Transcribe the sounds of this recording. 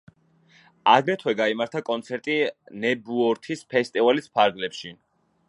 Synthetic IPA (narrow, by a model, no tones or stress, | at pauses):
aɡɾɛt̪ʰwɛɡaimaɾt̪ʰakʼɔnt̪sʰɛɾt̪ʼinɛbuɔɾt̪ʰispʰɛst̪ʼivalispʰaɾɡlɛpʃi